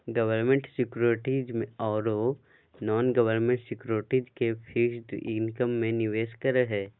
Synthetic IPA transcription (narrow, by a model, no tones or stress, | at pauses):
ɡɐʋəɾmẽɳʈsɪkɾoʈiːd͡ʒmẽɔːɾo | nɔːnɡɐʋəɾnmẽɳʈsɪkɾoːʈiːd͡ʒkefʰiʃd̪ɪ̃nkəmːẽnɪʋeːskəɾəɦɛː